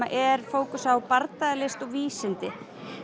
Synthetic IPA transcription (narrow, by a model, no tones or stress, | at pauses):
aʔɛɾ̥foːwkʏsawpaɾt̪aðɪlɪst̪ɔɣviːsɪnt̪ɪ